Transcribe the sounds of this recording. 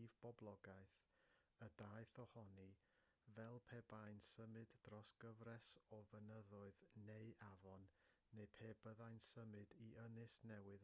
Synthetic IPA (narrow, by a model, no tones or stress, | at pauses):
vb̥ɔblˠɔɡaɨθədaɨθɔhɔni | vɛlˠpʰeːbajnsəmɨddrɔsɡ̥əvrɛsɔvənəðʊɨðneɨʔavɔnː | ejpʰeːbəðajnsəmɨdiʔənɨsnɛwɨð